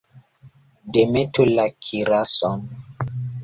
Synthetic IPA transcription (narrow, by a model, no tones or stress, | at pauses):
demetulakʰiɾasɔn